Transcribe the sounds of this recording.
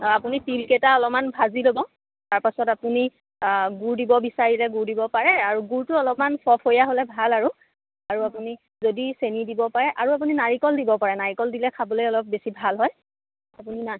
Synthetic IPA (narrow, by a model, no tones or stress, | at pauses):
apunitilketaɔlɔp̚manbʱazilobɔ | taɹpasɔtapuni | ɡuɹdibɔbisaɹilɛɡuɹdibɔpaɹɛaɹuɡuɹtʊɔlɔpmanpʰɔpʰhojaɦolɛbʱalaɹu | aɹuapuni | zodisenidibɔpaɹɛʔaɹuap̬uninaɹikɔldibɔpaɹɛnaɹikɔldilɛkʰabɔlojɔlɔp̚besibʱalɦɔj | apunina